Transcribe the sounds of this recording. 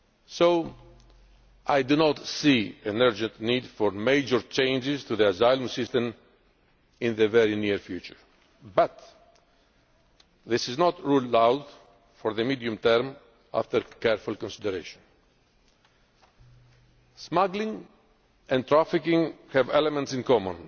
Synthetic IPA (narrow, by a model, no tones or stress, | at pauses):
soʊ | ʔajdunɔt̪siɛ̃nɜɹd͡ʒɛ̃nt̪nidfɔɹmeɪd͡ʒəɹt͡ʃẽɪ̃nd͡ʒɪzt̪uðiazajlɔ̃msɪst̪ɛ̃m | ɪ̃nðəvɛɹiniɹfjut͡ʃəɹ | bʌt̪ | ðɪsɪznɔt̪ɹullawd | fɔɾðəmidiũmt̪ɛɾm | a̰ft̪əɾkɛɹfulˠkɔ̃nsid̪əɾeʃɔ̃n | smaɡlĩŋ | ɛ̃nt̪ɾafɪkĩŋhɛvɛlɛmɛ̃ntsɪ̃nkɔmɔ̃n